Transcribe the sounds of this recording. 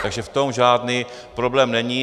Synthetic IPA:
t̪aɡʒɛft̪o̞mʒaːdni | pɾoblɛːmnɛɲi

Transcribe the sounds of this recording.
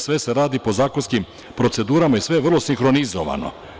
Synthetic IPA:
sʋe̞se̞ɾaːd̪ipo̞zaːkonskim | pɾo̞t̪se̞d̪uːɾamajisʋe̞jeʋrlˠo̞siŋxɾo̞nizo̰ʋa̰no̞̰

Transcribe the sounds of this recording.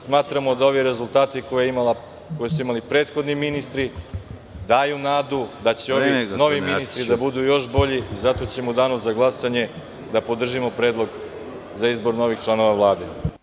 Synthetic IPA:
smaːt̪ɾamo̞d̪ao̞ʋiɾe̞zulˠt̪aːt̪ikojeimal | kojesuimalipɾe̞ːt̪xo̞d̪niminist̪ɾi | d̪aːjunaːd̪ud̪at͡ɕeoino̞ʋiminist̪ɾid̪abud̪ujo̞ʃbo̞ʎiizat̪o̞t͡ɕe̞mud̪aːnozaɡlˠasaɲe̞ | d̪apo̞d̪r̩ʒimo̞pɾeːd̪lˠo̞ɡ | zaizbo̞ɾno̞ʋixt͡ʃlˠano̞ʋaʋlˠaːd̪e

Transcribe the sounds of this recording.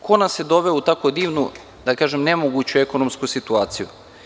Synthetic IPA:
kʰonased̪o̞ʋeout̪akod̪iːʋnu | d̪akaːʒemnemoɡut͡ɕuekonomskusit̪uaːt̪sijṵ

